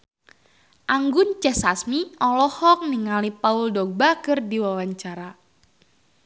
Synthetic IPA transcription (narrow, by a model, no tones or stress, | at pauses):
ʔaŋɡʊnt͡ʃɛsasmiɔlɔhɔk̚niŋalipauldɔɡ̚bakɨrdiwawaɲt͡ʃaɾa